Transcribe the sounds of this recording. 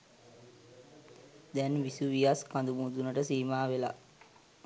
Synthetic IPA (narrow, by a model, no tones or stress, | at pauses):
d̪ɛnʋisuʋijaskand̪umuːt̪unəʈəsiːmaːʋela̰